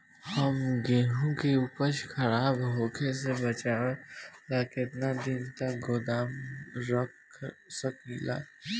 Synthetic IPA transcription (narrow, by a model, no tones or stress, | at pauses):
hɐmɡeːɦũkeupəʃxɐɾaːbɦoːkʰes̬ebɐt͡ʃaːat̪aːket̪nad̪ɪnt̪ɐkɡoːd̪aːmɾɐk | sɐkila̰ː